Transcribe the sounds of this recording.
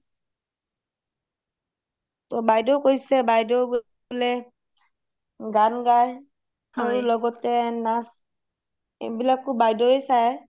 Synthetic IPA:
tɔbajdɔkojsɛbajdɔɡ | lɛ | ɡanɡaj | aɹilɔɡɔtɛnas | ḛbilakːubajdɔesajɛ

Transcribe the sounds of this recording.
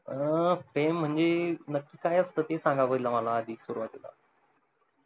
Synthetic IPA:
əfɾem̤ːəɳd͡ʑenəkːiːkajəst̪əːt̪esãŋɡapəd̪ilaməlaəd̪ʱiːsuɾuʋat̪ila̰

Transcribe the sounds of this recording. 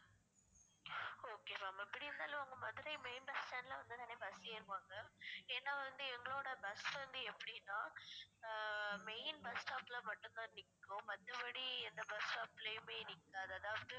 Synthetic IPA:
oːkeːmaːmɐpːɐɽɪɾɯnd̪aːlɐ̃ʊŋɡɐmɐðɪɾɐɪmeɪnbɐsʈaːnlɐʋɐnd̪ɯt̪aːneːbɐsjeːɪɾɯkːaːŋɡɐɛːnːaːʋɐnd̪ɯɛŋɡɐɭoːɽɐbɐsʋɐnd̪ɯɛpːɐɽɪnːãː | meɪnbɐsʈaːplɐmɐʈːʊ̃nt̪ãːnɪkːõmɐt̪ːɐpɐɽiɛnd̪ɐbɐsʈaːplɐjɯmeːnɪkːaːɐðɯɐðaːʋɐðɯ

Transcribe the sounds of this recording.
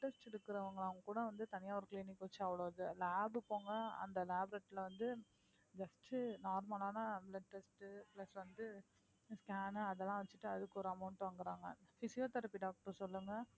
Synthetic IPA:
ʈːɛsʈɛɽɯkːɯɾɐʋɐŋɡɐɭɐʋɐŋɡɐkːuːɽɐʋɐnd̪ɯt̪ɐnɪjaːʋɐɾkliːnɪkːʋɐt͡ʃːɯɐʋɐɭoːðɯlaːbɯpːoːŋɡɐɐ̰nd̪ɐlaːbɾɐʈːɪlɐʋɐnd̪ɯ | d͡ʒɐsʈnaːɾmaːlaːnɐblɐʈːesʈplɐsʋɐnd̪ɯ | skaːnɐðɛlːãːʋɐt͡ʃːɯ̥ʈːɯɐðɯkːɯɔɾɯɐmɐʊɳʈʋɐŋɡɪɾaːŋɡɐfɪsɪjoːt̪ɐɾɐpːiɖaːk̚ʈɐɾsɔlːɯŋɡɐ

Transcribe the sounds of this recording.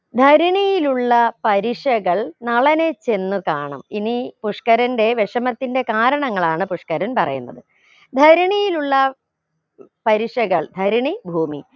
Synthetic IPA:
d̪ʱɐɾɐɳijiluɭːɐpɐɾiʂɐɣɐɭnɐɭɐnet͡ɕe̞nːukaːɳɐ̰minipuʂkɐɾɐnde̞ʋeʂɐmɐt̪ːinde̞kaːɾɐɳɐŋːɐɭaːɳɨpuʂkɐɾɐnpɐrɐ̰jṵnːɐ̰ðɨ | d̪ʱɐɾɐɳijiluɭːɐ | pɐɾiʂɐɣɐɭd̪ʱɐɾɐɳibʱuːmḭ

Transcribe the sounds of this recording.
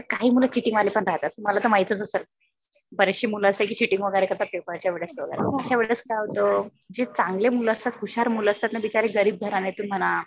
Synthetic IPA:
əkaɦiːmulət͡ɕiʈiŋɡʋalepəɳɾaɦt̪at̪ːum̤alat̪əmait͡sət͡səsəl | bəɾeɕimuləəsek̬iːt͡ɕiʈiŋɡʋəɡəɾekəɾt̪apepəɾt͡ɕjaʋeɭət͡sʋəɡə̰ɾḛəəɕaʋeɭət͡skajaʋt̪o | d͡ʑet͡saŋɡlemuləəst̪at̪ɦuɕaɾmuləəst̪at̪naʋit͡ɕaɾeɡəɾiːb̚d̪ʱəɾanet̪unm̤əna

